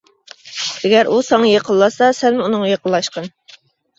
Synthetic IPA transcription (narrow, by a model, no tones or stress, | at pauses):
ɛɡʲæɾʔusɑŋɑjeqʰəlˠːɑsɑsɛnmɪunɨŋɑjeqʰəlˠːɑʃqɑn